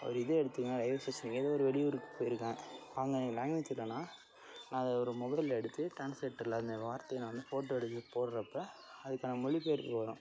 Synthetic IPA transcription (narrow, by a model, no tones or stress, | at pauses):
ɐ̰ɐɾɯɪðeɛɽɯt̪ːɯːŋɡɐnaːlɐɪʋɐsɐsɐniŋɪðɐːɔɾɯʋɛɽɪuɾɯkːɯ̥pːoːjɪɾɯkːãːaːɐŋɡɐnlaːŋɪt̪ːɪlːɐnːaː | nãːɐðɐɔɾɯmʊɣɐɪlɛɽɯt̪ːɯʈɾaːnslɛʈːlɐɪnd̪ɐʋaːɾt̪ːɐjɐnːʋɐnd̪ɯfoːʈːoːɛɽɯt̪ːɯpoːɾɾɐpːɐɐðɯkːaːnɐmɔɭipeːɾɯɐːɾʊ̃